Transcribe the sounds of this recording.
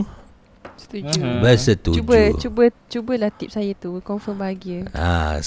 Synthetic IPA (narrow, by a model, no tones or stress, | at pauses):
t̪uubɛsət̪uubət͡ʃubət͡ʃubəlaht̪ip̚sajat̪ukɔnfəmbaɡiəa̰